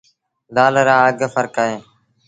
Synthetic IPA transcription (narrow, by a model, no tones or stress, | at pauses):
d̪aːləɾãːəɡfəɾkaːɦẽː